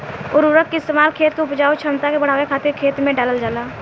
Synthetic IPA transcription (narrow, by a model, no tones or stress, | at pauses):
ʊɾʊɾəkkeɪst̪eːmaːlkʰeːt̪koʊpd͡ʒaːot͡ʃʰəmt̪akebəɽ̤aːwekʰaːt̪ɪɾkʰeːt̪mẽɖaləld͡ʒaːlaː